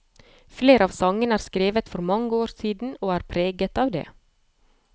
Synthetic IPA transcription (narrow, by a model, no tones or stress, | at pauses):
fleːɾəɑːʋsɑŋːənæːɾskɾeːʋət̪fɔɾmɑŋːəoːɾsiːd̪n̩oːæːɾpʰɾeːɡət̪ɑːʋd̪ḛː